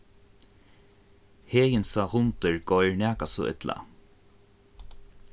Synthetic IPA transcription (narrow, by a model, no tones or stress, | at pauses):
heːjɪnsahʊnt̪ɪɹɡɔjɹnɛːkasɔ̰ʔɪ̰t̪la̰